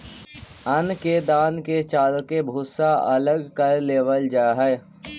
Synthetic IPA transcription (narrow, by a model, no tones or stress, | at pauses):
ənked̪aːnket͡ʃaːlkebʱʊːsaʔɐləɡkəɾleːʋəld͡ʒaːɦɛ